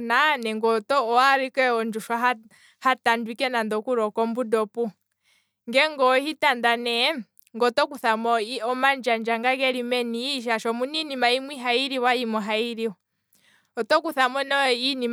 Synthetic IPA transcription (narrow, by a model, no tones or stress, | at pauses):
nanɛŋɡɔtɔɔwaɾikɛɔnd͡ʒuʃwa | hatandwikɛnandɔkuɾɔkɔmbudɔpu | ŋɡɛŋɡɔhitandanɛ | ŋɡɔtɔkuθamɔiɔmand͡ʒand͡ʒaŋɡakɛɾimɛniːʃ̬aʃɔmuninimaimwiɦaiɾiwaimɔɦaiɾiwɔ | ɔtɔkuθamɔnɔinim